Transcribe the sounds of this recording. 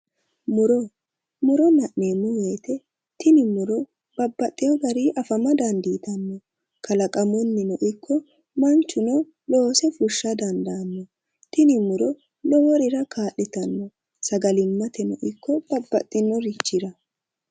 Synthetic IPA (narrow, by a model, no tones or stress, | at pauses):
mʊɾɔ | mʊɾɔnɐʔneːmːɔwe̞ːt̪ɛ | t̪ɪnɪmʊɾɔ | b̥ɐbːɐt̪ʼːɪjɔɡɐɾiʔɐfɐmɐd̪ɐnd̪iːt̪ɐnːɔ | kʰɐlɐkʼɐmʊnːɪnɔʔɪkʰːɔ | mɐnt͡ʃːʊnɔ | lo̞ːsɛfʊʃːɐd̪ɐnd̪ɐːnːɔ | t̪ɪnɪmʊɾɔ | lɔwɔɾɪɾɐkʰaːʔɛt̪ɐnːɔ | sɐɡɐlɪmːɐt̪ɛnɔ̰ʔɪkːɔb̥ɐbːɐt̪ʼːɪnːɔɾɪt͡ʃːɪɾɐ